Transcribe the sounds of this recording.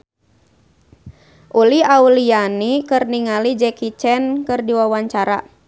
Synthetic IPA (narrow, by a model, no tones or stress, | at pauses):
ʔuliaulianikɨrniŋalid͡ʒɛkit͡ʃɛnkɨrdiwawaɲt͡ʃaɾa̰